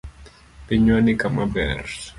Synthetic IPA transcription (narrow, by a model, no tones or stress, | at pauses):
peɲwanikamabɛ̰rs